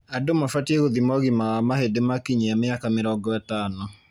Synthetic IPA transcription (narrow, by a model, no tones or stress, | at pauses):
adomafatieɣoðimɔɣimamahedemakiɲejameakamɪɾɔɡɔatanɔ